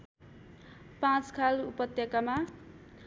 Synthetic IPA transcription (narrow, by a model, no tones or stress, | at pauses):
pãt͡skʰalupʌt̪jʌkama